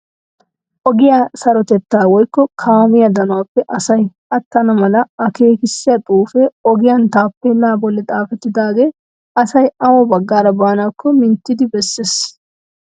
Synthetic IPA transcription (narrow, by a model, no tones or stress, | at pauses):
ʔɔɡɪjaːsɐɾɔt̪ɛt̪ːaːwɔjkːɔkʰaːmɪjɐd̪ɐnʊwaːpːɛʔɐsɐj | ɐt̪ːɐnɐmɐlɐɐke̞ːkɪsːɪjɐt̪ʼuːfɛɔɡɪjɐnt̪aːpːelːaːbɔlːɛt̪ʼaːfɛt̪ːɪd̪aːɡe̞ː | ɐsɐjɐwɔbɐɡːaːɾɐbaːnaːkːɔmɪnt̪ːɪd̪ɪbɛsːes